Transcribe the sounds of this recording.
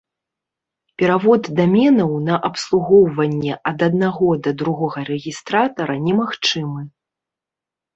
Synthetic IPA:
pʲɛɾavɔd̪ːamʲɛnɐwnɐʔɐpslˠuɣɔwvɐnʲːɛʔɐd̪ɐd̪̚naɣɔd̪ɐd̪ɾuɣɔɣɐɾɛɣʲist̪ɾat̪ɐɾɐnʲɛmaxt͡ʂɨmɨ

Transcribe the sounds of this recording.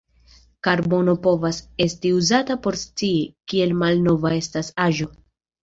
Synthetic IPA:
kaɾbo̞no̞po̞vase̞stiuzatapo̞ɾst͡siikie̞lmalno̞vae̞stasaʒo̞

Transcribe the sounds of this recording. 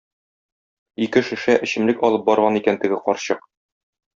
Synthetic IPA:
ikɘʃɘ̆ʃæʔɘ̆ɕɘ̆mlɘkɒlˠɤp̚bɒɾʁɑnikænt̪ɘ̆ɡɘqɒɾɕɤq

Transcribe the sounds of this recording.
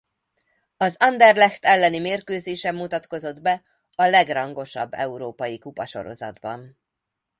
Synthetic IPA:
ɒzɒnd̪ɛrlɛxt̪ɛlːɛnimeːrkøːzeːʃɛmːut̪ɒt̪ko̞zo̞d̪bɛ | ɒlɛɡrɒŋɡo̞ʃɒbːɛ̰uɾoːpɒjikupɒʃo̞̰ɾo̞̰zɒ̰d̪bɒ̰n

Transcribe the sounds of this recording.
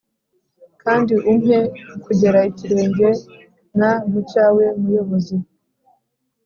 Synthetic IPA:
kaːndiʔumɦekuɟe̞ɾaiciɾe̞ːɲɟe̞ | namucaːwe̞mujo̞βozi

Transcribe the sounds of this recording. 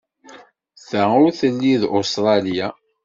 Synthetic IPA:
θəʊɾθəlːiðost̪ɾˤɑlija

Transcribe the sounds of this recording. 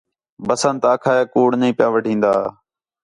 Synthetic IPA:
bəsənt̪aːkʰaːjaːkuːɽnəĩːpɪjaːʋəɖʱĩːnd̪a̰ː

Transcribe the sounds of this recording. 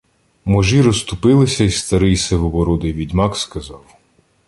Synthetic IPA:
mɔʒiɾɔst̪ʊpɪlˠɪsʲɐist̪ɐɾɪjsɛʋɔbɔɾɔd̪ɪjʋʲidʲmɑkskɐzɑw

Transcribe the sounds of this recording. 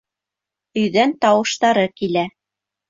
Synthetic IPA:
ɵ̆jðænt̪ɑwɤ̆ʃt̪ɑɾɤkilæ

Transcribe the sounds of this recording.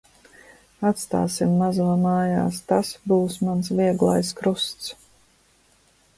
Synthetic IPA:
at̪st̪a̰ːsimːazuɔmaːja̰ːst̪asbuːsmansviɛɡlˠa̰jskɾust̪s

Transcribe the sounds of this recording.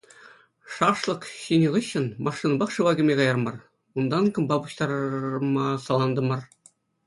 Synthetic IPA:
ʂɑʂlˠɤ̆kɕinʲiʁɯɕːɤ̆nmʔɑʂːinbɑχʂɯ̆ʋɑɡʲɘ̆mʲekɑjɑrmɑr | und̪ɑnkɤ̆mbɑpuɕt̪ɑɾɤmɑsɑlˠɑnd̪ɤ̆mɑr

